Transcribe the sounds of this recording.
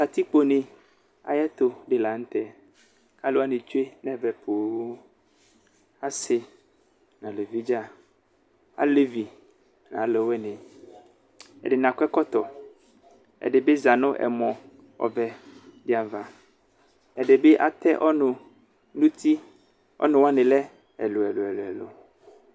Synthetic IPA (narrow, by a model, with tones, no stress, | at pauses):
sa˨t̪i˦k͡po˨nɪ̃˨ | a̰˨ja˦t̪ʊ˨dɪ˨la˨n̩˦t̪ɛ˦ | kʰa˦lʊ˦a˨nɪ̃˨t͡ʃʊ˦e˦nɛ˨vɛ˨pʰoː˨˦ | a˦sɪ˨ | nã˨le˨vi˦d͡ʒa˦ | a̰˦le˦vi˨ | nã̰˨lɛ˨wɛ˦nɪ̃˨ | ɛ̰˨dɪ˨nã˨kʷɛ˦kɔ˦t̪ɔ˨ | ɛ̰˨dɪ˨bɪ˦za˨nʊ̃˦ʔɛ̰˨mɔ̃˨ | ɔ̰˨vɛ˨dɪ˨a˨va˨ | ɛ˨dɪ˨bɪ˦ʔa̰˨t̪ʰɛ̰˦ʔɔ˦nʊ̃˨ | nũ˦t̪ʰi˦ | ɔ̰˦nʊ̃˨wa˦nɪ̃˨lɛ˦ | ɛ˨lʊ˨ɛ˨lʊ˨ɛ˨lʊ˨ɛ˨lʊ̰˨